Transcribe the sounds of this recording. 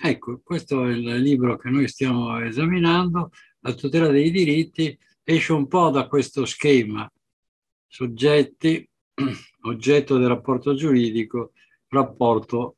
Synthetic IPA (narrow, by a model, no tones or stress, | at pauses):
ɛkːokwest̪oɛllːiːbɾok̟enːojst̪jaːmoezaminand̪o | lat̪ut̪ɛːlad̪ejd̪iɾit̪ːi | ɛʃːeumpɔd̪akwest̪oskɛːma | sod͡ʒːɛt̪ːi | od͡ʒːɛt̪ːod̪erapːɔrt̪od͡ʒuɾiːd̪iko | rapːɔrt̪o